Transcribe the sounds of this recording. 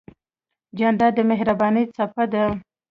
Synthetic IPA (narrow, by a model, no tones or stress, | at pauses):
d͡ʒand̪ɑd̪əmeɦɾabɑnəjt͡sapad̪ə